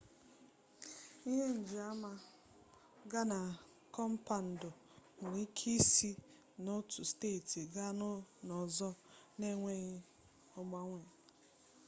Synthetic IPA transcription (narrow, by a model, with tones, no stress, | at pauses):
i˦ɦe˦n̩˨d͡ʒi˨a˦ma˦ | ɡa˦na˨ | kɔ˦m̩˦pa˨n̩˨dʊ˨ | ŋ̩˨ŋʷi˦kʰi˦si˦ | no˦tu˨steː˦˨ti˨ɡa˦nʊ˦nɔ˨zɔ˦ne˦ŋʷe˦ɣi˦ | ɔ˨ɡ͡ba˦ŋʷe˨